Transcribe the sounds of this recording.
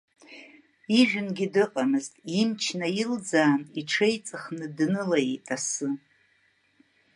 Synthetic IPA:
iʒᶣʊnɡʲidɨqʼamɨztʼimt͡ʃʰnajild͡zaːniʈ͡ʂʰejt͡sʼɨχnɨdnɨlajetʼasɨ

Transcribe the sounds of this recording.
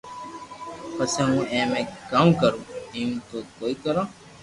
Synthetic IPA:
pəsẽːɦũːẽːmẽːkamkəɾũːiːmt̪oːkoːiːkəɾãː

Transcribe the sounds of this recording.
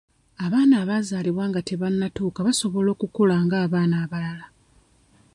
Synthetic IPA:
aβaːnaːβazaːliβwaːŋɡate̞βanːatuːkaβaso̞βo̞lo̞ːkukolaːŋɡaːβaːnaːβalala

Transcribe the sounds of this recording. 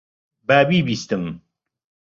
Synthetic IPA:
baːbiːbist̪ɨm

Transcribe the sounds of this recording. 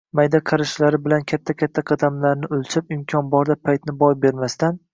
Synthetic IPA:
majd̪aqʰɑɾɪʃlaɾɪbɪlankʲʰat̪ʰːakʲat̪ʰːaqʰɑd̪amlaɾnɪɵlˠt͡ʃʰɪpɪmkʲʰɒnbɒɾd̪apʰːajt̪nɪbɒjbe̞ɾmast̪an

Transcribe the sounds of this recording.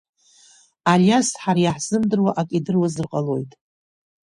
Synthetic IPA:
aljasħaɾajaħz̥ɨmdɨrwaʔakʼidɨrwazɨrqʼalo̞jtʼ

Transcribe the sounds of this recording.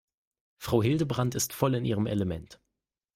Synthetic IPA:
fʁ̥aʊɦɪldəbʁantɪstfɔlɪnʔiːʁəmɛ̰ləmɛnt

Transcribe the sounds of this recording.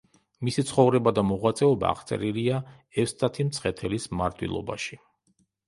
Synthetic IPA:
misit̪sʰχɔvɾɛbad̪amɔʁwat̪sʼɛɔba̰ːʁt̪sʼɛ̰ɾilia | ɛfst̪ʰat̪ʰimt̪sʰχɛt̪ʰɛlismaɾd̪ʰwḭlˠɔ̰ba̰ʃi̥

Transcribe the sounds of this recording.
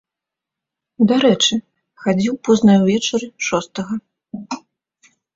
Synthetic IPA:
d̪aɾɛt͡ʂɨ | xad͡zʲiwpɔznɐjwvʲɛt͡ʂɐɾɨʂɔst̪ɐɣɐ

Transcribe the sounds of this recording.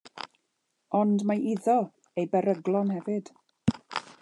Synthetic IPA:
ɔndmaʔiðɔ | ejbɛɾəɡlˠɔnhɛvɨd̥

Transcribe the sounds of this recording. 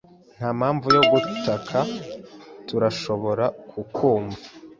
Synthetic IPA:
n̥haːmhaːɱvujo̞ɡutakʰa | tuɾaʃo̞βo̞ɾakʰukʰuːmva

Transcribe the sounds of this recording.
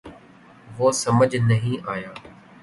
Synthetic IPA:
ʋoːsɐməd͡ʒnɐɦĩʔaːjaː

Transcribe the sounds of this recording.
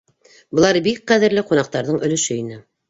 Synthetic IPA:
bɤ̆lˠɑɾbik̚qæðɘ̆ɾlɘqunɑq̚t̪ɑɾðɤɴɵ̆lɵ̆ʃɵinɘ

